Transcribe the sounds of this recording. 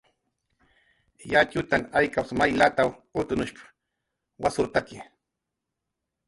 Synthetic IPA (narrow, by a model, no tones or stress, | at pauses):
jat͡ʃʊt̪aŋajkawsmajlat̪awʊt̪ʊnʊʃpḁ | wasʊɾt̪akɪ